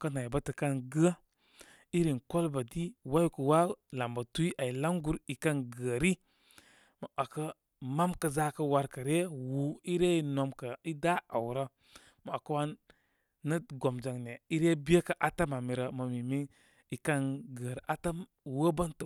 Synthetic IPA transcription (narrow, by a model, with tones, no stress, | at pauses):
kə˦na˨i˨ba˦tə˨ka˦nɡə˦ | i˦ɾi˨nko˦lba˨di˦wa˦jku˨wa˦la˨mba˨tu˦i˦ʔa˨i˨la˦ŋɡu˦ɾi˨ka˦nɡə˨ɾi˦ | mə˨ʔa˨kə˦ | ma˦mkə˨za˦kə˦wa˦ɾkə˨ɾe˦wu˨i˦ɾe˦i˦no˨mkə˨i˦da˦a˨wɾə˦ | ma˨a˨kə˦wa˦nː | ə˦ɡo˨md͡ʒa˨ŋne˨i˦ɾe˦bi˦e˦kə˨ʔa˨ta˦ma˨mi˨ɾə˨mə˨mi˨mi˦ | i˨ka˦nɡə˨ɾa˦ta˦m | wə˦ba˦ntə˨